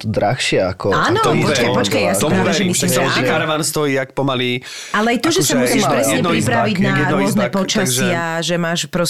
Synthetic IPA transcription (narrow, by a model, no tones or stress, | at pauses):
t̪ɔd̪ɾa̰xʃɪaakɔaːnɔpɔt͡ʃkajpɔt͡ʃkajjasiɔɛʒɛmislimʒɛkaɾʋanst̪ɔjiːak̚pɔmali | alɛajt̪ɔʒɛsamusiːʃpɾɛsɲɛpɾipɾaʋiɟnaɾʊɔznɛpɔt͡ʃasɪaʒɛmaːʃpɾɔ